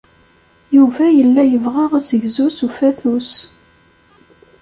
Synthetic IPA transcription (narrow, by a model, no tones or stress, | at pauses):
juvæjəlːæjəvʁaʁæsəʝzusufæθus